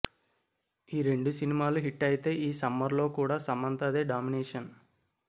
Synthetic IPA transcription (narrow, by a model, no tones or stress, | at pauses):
iːɾe̞ɳɖusinimaːluɦiʈːɐjit̪e̞ːʔiːsɐmːɐɾlo̞ːkuːɽaːsɐmːɐnt̪ɐd̪e̞ːɖaːminɛːʂɐn